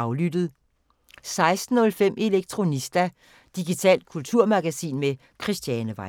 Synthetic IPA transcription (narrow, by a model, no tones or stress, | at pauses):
ɑʊlyd̥ð̩ˠ | sɑ̈ɪsd̥n̩ːɔ̽lfem̰ʔe̝leɡ̥̚t͡sʰʁo̝nisd̥æ | d̥iɡ̥it͡sʰɛ̰ːld̥̚kʰult͡sʰuɐ̰mɑɡ̥æsḭːnme | kʰʁisd̥jɛnəʋɑ̈